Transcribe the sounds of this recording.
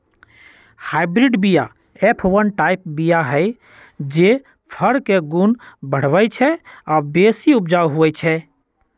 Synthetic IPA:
haɪbɾiɖbija̰ | epʰʋənʈajp̚bijaɦəɪ | d͡ʒe | pʰəɾkeɡunbəɽ̤bəjt͡ʃʰɛabesiup̚d͡ʒawɦuɛt͡ʃʰɛ

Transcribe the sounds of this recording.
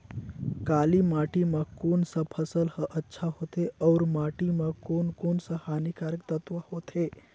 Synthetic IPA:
kaːlimaːʈimɐkoːnsəpʰəsəlhəʔətːʃʰaɦoːt̪eɔːɾmaːʈimɐkoːnkoːnsəhaːnikaːɾək̚t̪ət̪ʋəhoːt̪e

